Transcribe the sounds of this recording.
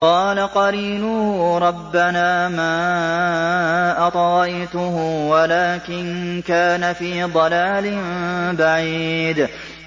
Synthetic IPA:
qɑːlaqɑɾiːlʊhːɾˤɑbːanaːmaː | ʔɑt̪ˤɑːɑjt̪ʊɦʊwalaːkɪnkaːnafiːd̪ˤɑlaːlɪmbaʕiːd̪

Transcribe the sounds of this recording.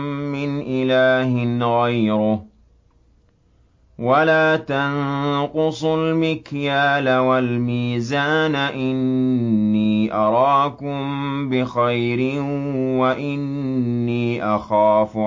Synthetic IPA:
ɪnʔɪlaːɦɪnɣajɾʊ | walaːt̪anqʊsˤʊlmɪkjaːlawalmiːzaːnaʔɪnː | iːʔɑɾˤɑːkʊmbɪxajɾɪwaʔɪnːiːʔaxaːfʊ

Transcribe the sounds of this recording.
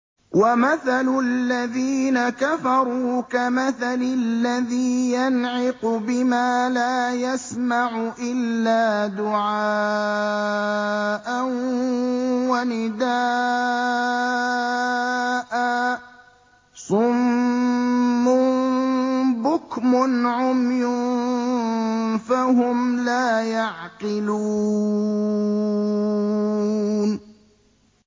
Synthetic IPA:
wamaθalʊlːaðiːnakafɑɾˤuːkamaθalɪlːaðiːjanʕɪqʊbɪmaːlaːjasmaʕʊʔɪlːaːd̪ʊʕaː | ʔan | wanɪd̪aː | ʔaː | sˤʊm | ʊ | bʊkmʊnʕʊmjʊn | faɦʊmlaːjaʕqɪlu | n

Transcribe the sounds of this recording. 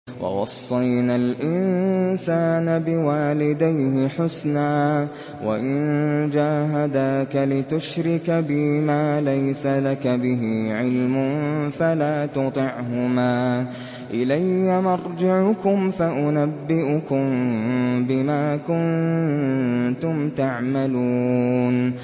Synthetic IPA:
wɑ̰wɑsˤːɑjnalʔɪnsaːnabɪwaːlɪd̪ajhɪħʊsnaː | wa̰ʔɪnd͡ʒaːɦad̪aːkalɪt̪ʊʃɾɪkabɪmaːlajsalakabɪɦiʕɪlmʊnfalaːt̪ʊt̪ˤɪʕɦʊmaː | ʔɪlajːamɑɾˤd͡ʒɪʕʊkʊmfaʔʊnabːɪʔʊkʊm | bɪmaːkʊn | t̪ʊmt̪aʕmaluːn

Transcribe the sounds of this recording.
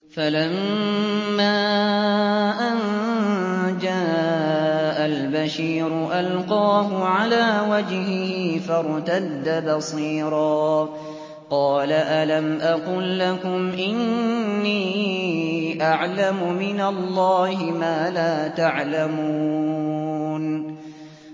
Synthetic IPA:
falammː | aː | ʔan | d͡ʒaː | ʔalbaʃiːɾʊʔalqɑːɦʊʕalaːwad͡ʒhɪhifɑɾˤt̪ad̪ːabɑsˤiːɾˤɑː | qɑːlaʔalamʔɑqʊːlːakʊmʔɪnnːiː | ʔaʕlamʊmɪnalˤːɑːhɪmaːlaːt̪aʕlamuː | n

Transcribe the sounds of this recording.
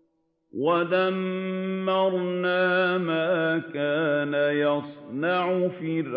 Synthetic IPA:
waðamː | ɑɾˤnaːmaːkaːnajɑsˤnɑʕʊfir

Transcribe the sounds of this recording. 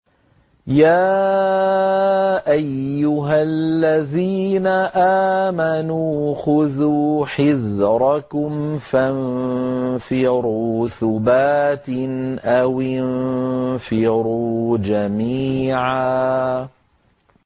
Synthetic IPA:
jaː | ʔajːʊɦalːaðiːnaʔaːmanuːxʊðuːħɪðɾˤɑkʊmfan | fɪɾuːθʊbaːt̪ɪnʔawɪnfɪɾuːd͡ʒamiːʕaː

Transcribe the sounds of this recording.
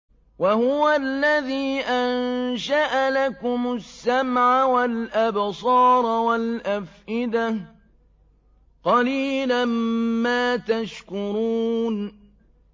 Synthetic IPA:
wahʊwalːaðiːʔanʃaʔalakʊmʊsːamʕawalʔabsˤɑːɾˤwalʔafʔɪd̪a | qɑliːlamːaːt̪aʃkʊɾuːn

